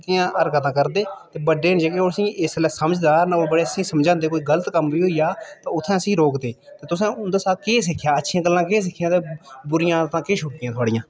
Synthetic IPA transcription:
t̪ɪãːʔəɾkət̪ãːkəɾd̪eːt̪eːbəɖːeːnd͡ʒəɡeːoːɾsĩːʔɪslɛːsəməd͡ʒd̪aːnaoːbəɽeːəsĩːsəmd͡ʒãːnd̪eːkoːiːɡələt̪kəmbiːɦoːijaːt̪ãːʊt̪ʰːɛ̃ːəsĩːɾoːkd̪eːt̪eːt̪ʊsɛ̃ːʊnd̪aːsaːkeːsɪkʰːjaːətːʃʰɪãːɡəlːãːkeːs̬ɪkʰːɪjãːt̪eːbʊɾɪjãːt̪ãːkeːʃʊkɪjãːt̪ʊaːɽɪjãː

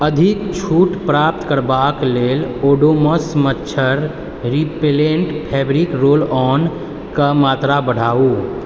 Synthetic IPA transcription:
əd̪ʱikt͡ʃʰuʈpɾap̚t̪kəɾbakleːloːɖoməsmətːʃʰəɾ | ɾipeleɳʈpʰɛbɾikɾoːlɔn | kamat̪ɾabəɽ̤aːu

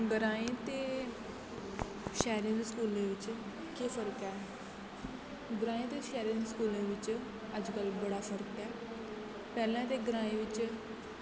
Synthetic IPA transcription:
ɡɾaĩt̪e | ɕɛɾẽnskulẽʋit͡ɕ | kefəɾəka | ɡɾaːĩt̪eɕɛɾẽnskulẽʋit͡ɕ | ad͡ʒkalbəɽafəɾkka | pɛlãt̪̬eɡɾaːĩʋit͡ɕ

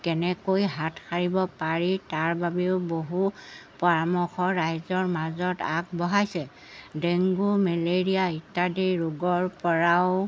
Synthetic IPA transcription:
kɛnɛkojɦatkʰaɹibɔpaɹitaɹbabiʊboɦupɔɹamɔxɔɹajzɔɹmazɔtak̚bɔɦajsɛ | deŋɡumɛleɹiaitːadiɹʊɡɔɹpɔɹaʊ

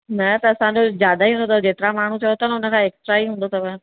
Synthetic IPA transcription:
nɐt̪ɐɐsãɲd͡ʑozjaːd̪aiɦũːnd̪ot̪ɐd͡ʑeːt̪ɪɾamaːɳ̤ũt͡ɕɐot̪ʰanɛʊnə̆kʰãeːksʈɾaiɦũːn̆d̪ot̪ɐbə̃

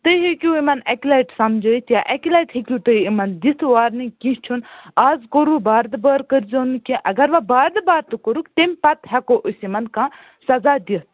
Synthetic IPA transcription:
t̪ɨɦikʲjũimɐnɛklaʈsɐmd͡ʒoit̪jaʔɛkilaːʈhikʲut̪ɨimɐnd̪it̪ʰʋaːɾnikĩt͡ʃʰunaːzkoɾubaːɾd̪ɨbəːɾkəɾd͡ʒoːnkĩʔɐɡɐɾʋabaːɾd̪ɨbaːɾt̪ɨkoɾukt̪emʲpɐt̪ɦɛkoʔusimɐnkãː | sɐzaːd̪it̪̚

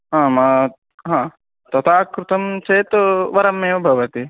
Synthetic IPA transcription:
ɦãːma | ɦãː | t̪ɐt̪ʰaːkɾut̪ɐmt͡ʃeːt̪ʋɐɾɐmeːʋɐbʱɐʋɐt̪i

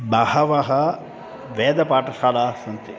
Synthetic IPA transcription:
bɐhɐʋɐɦɐ | ʋeːd̪ɐpaːʈɐsaːlaːsɐnt̪i

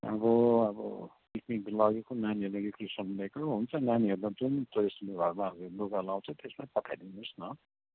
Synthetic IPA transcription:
ʌ̰bʌʌbʌ̰pikniklʌɡekonaniɦʌɾulakekrisʌnlekaoɦunt͡sʰʌnaniɦʌɾulad͡zunt̪oesleɡʱʌrmaʌɡeloɡalaw̃t͡sʰʌt̪esmaipʌt̪ʰajd̪inusnʌ

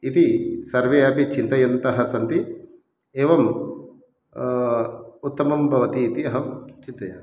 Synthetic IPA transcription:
it̪isɐɾʋeːaːpit͡ʃint̪ɐjɐnt̪ɐɦɐsɐnt̪i | eːʋɐm | ut̪ːɐmɐmbʱɐʋɐt̪iːt̪iɐɦɐmt͡ʃint̪ɐjɐ

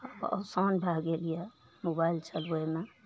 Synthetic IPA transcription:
bɔ̰sanbʱaɡelija | mobailt͡ʃʰəlweme

